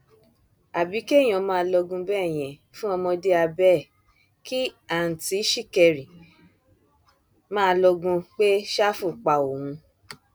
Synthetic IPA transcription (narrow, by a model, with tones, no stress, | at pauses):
a˨bi˨˦ke˦˨j̃ɔ̃˨˧mãː˦˧˦lɔ˧ɡũ˧bɛː˦˨j̃ɛ̃˨fũ˦ɔ˧mɔ̃˧de˦a˧bɛ˦˨ | ki˦a˨n̩˨ti˨˦ʃi˦˨kɛ˧ɾi˨ | mãː˦˧lɔ˧ɡũ˧k͡pe˦ʃa˦fu˦˨k͡pa˨o˨hũ˧